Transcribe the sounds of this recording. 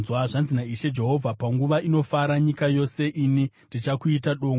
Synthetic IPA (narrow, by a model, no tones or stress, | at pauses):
zwaʐanzinaiʃe̞d͡ʒe̞ɦo̞vʱapaŋɡuʋaino̞faɾaɲikajo̞se̞ʔinindit͡ʃakuitaɗo̞ːŋɡ